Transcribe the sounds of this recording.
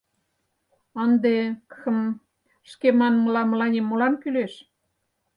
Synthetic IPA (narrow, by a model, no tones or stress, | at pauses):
ənd̪ekxɤm | ʃkemɑnməlɑməlɑnʲemːolɑmkyleʃ